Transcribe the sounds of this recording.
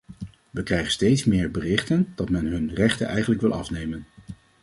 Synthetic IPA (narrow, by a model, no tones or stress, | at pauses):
ʋəkrɛjχənstejtsmɪːɹbərɪχtənd̥ɑtmɛnɦɵnrɛχtə̰nʔɛjχənləkʋɪlˠɑfnejmən